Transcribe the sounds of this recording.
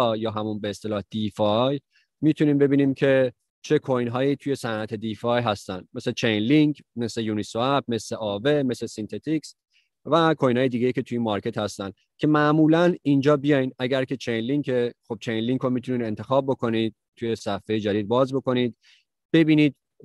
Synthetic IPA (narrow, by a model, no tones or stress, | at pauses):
jɒːɦæmunbeːst̪e̞lɒːhd̪̥ifɒj | miːt̪ʰuniːmbe̞biːniːmcʰe̞ | t͡ʃʰe̞kʰojnɦɒːjiːt̪ʰuje̞sænʔæt̪ʰe̞d̪ifɒːjɦæst̪ænd̪me̞slet͡ʃʰejnliŋkʰme̞sle̞junisoæb̚me̞sle̞ʔɒːve̞me̞slesint̪ʰe̞t̪ʰiks | vækʰojnhɑːje̞d̪iːɡe̞jiːce̞t̪ʰujimɒɾcʰe̞t̪hæst̪ænd̪ | kʰʲe̞mæʔmuːlænind͡ʒɒːbijɒjnæɡæɾkʲʰe̞t͡ʃʰejnliŋkʰe̞xob̚t͡ʃʰejnliŋkomiːt̪ʰuniːd̪e̞nt̪ʰe̞xɒːb̚ːo̞kʰo̞niːd̪̥̚t̪ʰːuje̞sæfːejed͡ʒæd̪iːd̪̚bɒːzbo̞ko̞niːd̪̚ | b̥e̞biːniːd̪̚